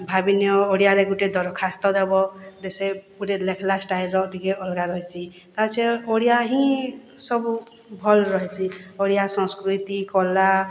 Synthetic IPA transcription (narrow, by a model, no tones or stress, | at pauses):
bʱabinjɔoɽijaɾɛɡuʈed̪ɔɾɔkʰast̪ɔd̪ɛbɔd̪ɛsɛpuɾelɛkʰlasʈajlɾɔt̪ikɛɔlɡaɾɔɦisʰi | t̪at͡ʃʰɛoɽijaɦĩ | sɔbu | bʱɔlɾɔɦisioɽijasɔ̃skɾut̪ikɔla